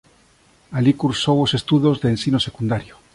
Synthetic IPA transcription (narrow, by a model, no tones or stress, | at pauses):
alikuɾsowosest̪uðozðeːnsinosekund̪aɾjo